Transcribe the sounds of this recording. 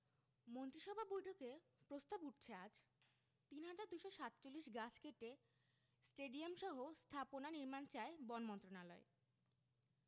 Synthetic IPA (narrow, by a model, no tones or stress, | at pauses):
mont̪ɾiʃɔbʱabojʈʰokepɾost̪abuʈ̚ʰt͡ɕʰead͡ʑ | t̪inɦad͡ʑaɾd̪ujʃoʃat̪ːt͡ɕolːiʃɡat͡ɕʰkeʈe | sʈeɖiamʃɔɦost̪ʰaponaniɾmant͡ɕaebɔnmɔnt̪ɾonalɔe